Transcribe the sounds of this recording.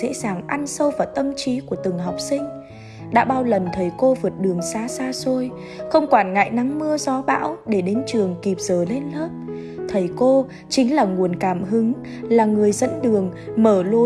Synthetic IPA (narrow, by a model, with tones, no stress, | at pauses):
ɛ̰˧˥zaː˨˩ŋʔa˧nsə˧wvaː˨˩t̪ə˧mt͡ɕi˨˦ku˧˩ət̪ɨ˨˩ŋɦa˨˩wk͡p̚sï˧ŋ̟ | ɗa̰ː˧˥ɓaː˧wlə˨˩nt̪ʰə˨˩jko˧vɨ˨˩ət̚ɗɨ˨˩əŋsaː˨˧saː˧so˧j | xə˧wŋ͡mkwaː˧˩nŋa̰˧˨jna˨˦ŋmɨ˧əzɔ˨˦ɓa̰ː˧˥wɗe˧˩ɗe˨˦nt͡ɕɨ˨˩əŋki˨˩p̚z̥əː˧˨˩le˧nləː˦˥t̚ | t̪ʰə˨˩jko˧ | t͡ɕï˨˦ŋ̟laː˨˩ŋu˨˩ənkaː˧˩mɦɨ˨˦ŋ | laː˨˩ŋɨ˨˩əjzə̰˧˥nɗɨ˨˩əŋməː˧˩lo˧˦